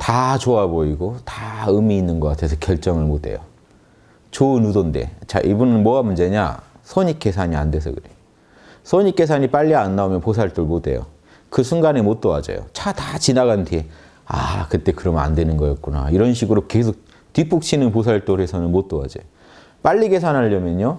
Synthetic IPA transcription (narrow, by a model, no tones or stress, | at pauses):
tat͡ɕoaboiɡotaɯmiːnːɯnɡʌk͈atʰe̞s̬ʰʌkjʌɭt͡ɕ͈ʌŋɯɭmotʰe̞̰jo̰ | t͡ɕoɯnudonde̞̰t͡ɕa̰ʔibunɯnmwʌamund͡ʑe̞ɲa̰sʰʌɲik͈e̞sʰaɲia̰ndwe̞s̬ʰʌ̰kɯɾe | sʰʌɲik͈e̞s̬ʰaɲip͈aʎːianːaomjʌnpos̬ʰaɭt͈oɭmote̞̰jo̰ | kɯsʰuŋɡanemot͈owad͡ʑa̰jo̰t͡ɕatat͡ɕinaɡantʰe | a̰kɯt͈e̞kɯɾʌma̰ndwenɯnɡʌjʌt̚k͈una̰iɾʌnɕʰiɡɯɾoke̞sʰok̚ | twip͈uk̚t͡ɕʰinɯnposʰaɭt͈oɾe̞sʰʌnɯnmot͈owa̰d͡ʑa̰jo | p͈aʎːiɡe̞s̬ʰanɦaʎːʌmjʌɲo